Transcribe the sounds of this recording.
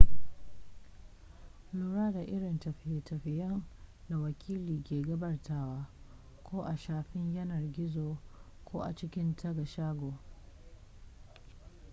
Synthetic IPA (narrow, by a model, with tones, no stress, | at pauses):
luː˦ɽaː˦da˨ʔɪ˦ɽɪ˨ntɐ˨ɸɪ˨jtʰɐ˨ɸɪ˨jɐ˦n | da˨wɐ˨kʲʰiː˦liː˨kʲeː˨ɡɐ˦bɐ˦rtaː˦waː˦ | kʷʰoː˦ʔa˨ʃaː˨ɸɪ˦ɲjɐ˦nɐ˨rɡʲɪ˦zoː˨ | kʰoː˦ʔa̰˨t͡ʃɪ˦kʲɪ˦ntʰɐ˦ɡa˨ʃaː˦ɡʷoː˨